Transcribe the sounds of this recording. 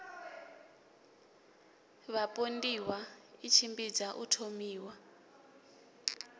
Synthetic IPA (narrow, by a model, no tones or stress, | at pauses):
βapʼondiwait͡ʃʰimbid͡zaʔṵtʰomiːwa